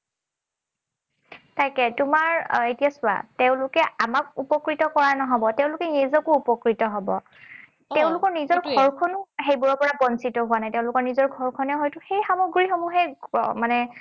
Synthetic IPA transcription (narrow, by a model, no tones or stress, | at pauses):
tajkɛtʊmaɹetijasʊa̰teʊ̃lʊkɛamakupɔkɹitɔkɔɹanɔɦɔbɔteʊ̃lʊkɛnizɔkʊupɔkɹitɔɦɔbɔ̰ | teʊ̃lʊkɔɹnizɔɹɡʱɔɹkʰɔnʊɦejbuɹɔpɔɹabɔnsitɔɦwanajtẽʊ̃lʊkɔɹnizɔɹɡʱɔɹkʰɔnɛɦɔjtʊxejxamɔɡɹixɔmuɦɛmanɛ